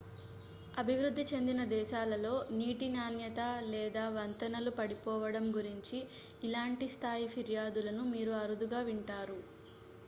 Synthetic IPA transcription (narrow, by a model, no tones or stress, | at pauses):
ɐbʱiʋɾud̪ʱːit͡ʃe̞nd̪inɐd̪ɛːʃaːlɐlo̞ːniːʈinaːnjɐt̪ɐlɛːd̪aːʋɐnt̪ɐnɐlupɐɽipɔːʋɐɽɐmɡuɾiɲt͡ʃiː | laːɳʈist̪ʰaːjipʰiɾjaːd̪ulɐnumiːɾuɐɾud̪uɡaːʋiɳʈaːɾu